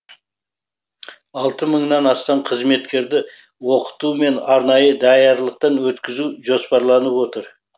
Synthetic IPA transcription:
ɑlˠt̪əməɴnɑnɑst̪ɑɴqʰəzme̞t̪kʲe̞ɾd̪ɪ | wo̞qə̥t̪ume̞nɑɾnɑjəd̪ɑjɑɾlˠəq̚t̪ɑnwɵt̪kʲɪzuʒo̞spɑɾlˠɑnəpwot̪əɾ

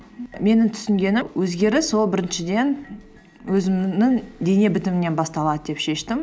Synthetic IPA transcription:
me̞nɪŋt̪ʰʏ̥sɪŋɡʲe̞nɪwʔɵzɡʲe̞ɾɪso̞lˠbɪɾɪnʃɪd̪e̞n | wɵzɪmnɪŋd̪e̞ne̞bɪt̪ɪmɪnːe̞nbɑst̪ɑlˠɑd̪əd̪e̞pʃe̞ʃt̪ɪm

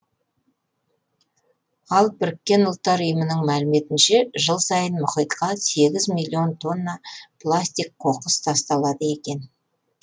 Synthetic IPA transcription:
ɑlˠbɪɾɪkʲːe̞nʊlˠt̪ːɑɾʊjəmənəɴmælɪme̞t̪ɪnʃe̞ʒəlˠsɑjənmʊχijt̪qɑse̞ɡʲɪzmilʲːio̞nt̪ʰo̞nːɑpʰlˠasʲt̪ʲijk̚qʰo̞qəst̪ʰɑst̪ɑlˠɑd̪əe̞kʲe̞n

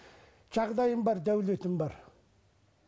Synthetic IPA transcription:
ʒ̥ɑʁd̪ɑjəmbɑɾd̪æwle̞t̪ɪmbɑɾ

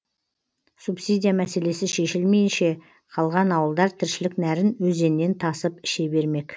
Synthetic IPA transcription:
supsijd̪ʲijamæse̞le̞sɪʃe̞ʃɪlme̞jɪnʃe̞ | qʰɑlˠʁɑnɑwəlˠd̪ɑɾt̪ʰɪɾʃɪlɪknæɾɪnwɵze̞nːe̞nt̪ʰɑsəpɪʃe̞be̞ɾme̞k

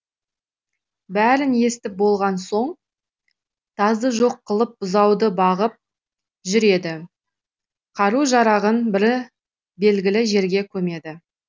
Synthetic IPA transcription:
bæɾɪnje̞st̪ɪp̚bo̞lˠʁɑnso̞ɴ | t̪ʰɑzd̪əʒo̞qːəlˠəp̚bʊzɑwd̪əbɑʁəp̚ | ʒʏɾe̞d̪ɪ | qʰɑɾuʒɑɾɑʁənbɪɾ | be̞lɡʲɪlɪʒe̞ɾɡʲe̞kʲʰɵme̞d̪ɪ

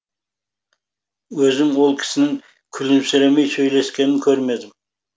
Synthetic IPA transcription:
wɵzɪmwo̞lˠkʲʰɪ̥sɪnɪŋ | kʲʰʏlɪmsɪɾemejsɵjle̞skʲe̞nɪnŋkʲʰɵɾme̞d̪ɪm

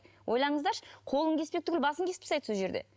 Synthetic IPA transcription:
wʔo̞jlˠɑɴəzd̪ɑɾʃəqʰo̞lˠəŋkʲʰe̞spekt̪ʰʏkʲɪlbɑsəŋkʲʰe̞spɪ̥sɑjt̪ʰəsuʒe̞ɾd̪e̞̰

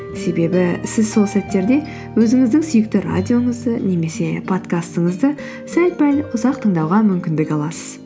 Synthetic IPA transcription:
se̞be̞bɪsɪzso̞lˠsæt̪ːe̞ɾd̪e̞ | wɵzɪŋɪzd̪ɪŋsʏjɪk̚t̪ɪɾa̰d̪ʲijo̞ɴəzd̪əne̞me̞se̞pʰo̞t̪kast̪əɴəzd̪ə | sælt̪̚pælʊzɑqt̪ʰəɴd̪ɑwʁɑmʏmkʲɪnd̪ɪkʲɑlˠɑsəz̥

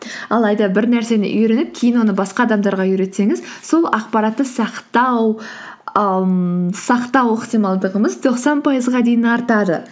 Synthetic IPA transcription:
ɑlˠɑjd̪ɑbɪɾnæɾse̞nɪ̰ʔʏjɾenɪp̚kʲʰe̞jɪnwo̞nəbɑsqɑːd̪ɑmd̪ɑɾʁɑʏɾe̞t̪se̞ŋɪzso̞lˠɑqpɑɾɑt̪ːəsɑqt̪ɑ | sɑqt̪ɑwəqt̪ijmɑlˠd̪əʁəməzt̪ʰo̞qsɑnpʰɑjəzʁɑd̪e̞jɪnɑɾt̪ɑd̪ə

